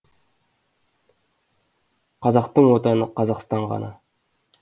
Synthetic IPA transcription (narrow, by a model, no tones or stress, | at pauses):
qʰɑzɑqt̪əɴwot̪ɑnəqʰɑzɑqst̪ɑɴʁɑ̰nɑ̰